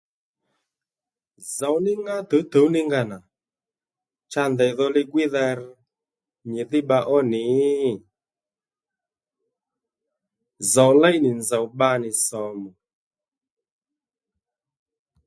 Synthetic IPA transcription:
za˨wnɪ˦ŋɡa˦t̪ə˨˦t̪ə˨˦nɪ˦ŋɡa˧˨na˨ | t͡ʃa˧ndɛ˨jðɔ˧lɪ˦ɡwɪ˦ða˧ɾ | ɲɪ˨ðɪ˦ɓa˧ʔɔ˦nɪ˨˦˨ | za˨wlɛ˦jnɪ˨nza˨wɓa˧nɪ˨sɔ˨mu˨

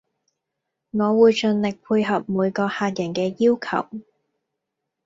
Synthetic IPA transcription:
ŋɔː˨˧wuː˨˧jt͡ʃɵ˧nlɪ˨k̚pʰuː˧jɦɐ˨p̚muː˨˧jkɔː˧haː˧t̚jɐ˨˩nkɛː˧jiː˥wkʰɐ̰˨˩w

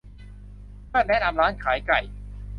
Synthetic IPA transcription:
kɯ˥˩nɛ˦˥na˧mɾaː˦˥nkʰaː˩˦jka˨˩j

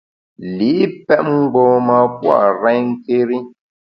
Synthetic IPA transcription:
li˨˦pɛ˦ʔ̚ŋ͡m̩˦ɡ͡bo˦ma˦pwa̰˦˨ʔɾɛ˦ɲŋ̩˦ke˦ɾi˦

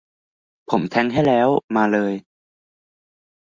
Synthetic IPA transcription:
pʰo˩˦mt̪ʰɛ˦˥ŋɦa˥˩jlɛː˦˥wmaː˧lɤː˧j

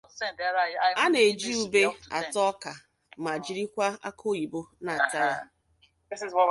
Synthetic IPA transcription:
a˦ne˨d͡ʒi˦u˦be˦a̰˨tɔ˦ka˨ | ma˨d͡ʒi˦ɾi˦kʷa˦a̰˦kʰo˦i˨bo˦na˨ta˦a˨ | ɪ˦si˨zɔ˦

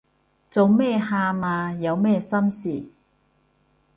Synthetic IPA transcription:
t͡so˨˧wmɛː˥˩haː˧maː˧jɐ˨˧wmɛː˥sɐ˥msiː˨˩

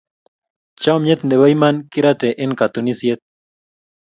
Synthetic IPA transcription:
t͡ʃa˦ɔ˦mɲe˦t̪ne˨wa˦i˦ma˦nkɪ˦ɾa˦tɛ˨ʔɪ˦nka˨t̪u˨ni˦sje˦t̪̚

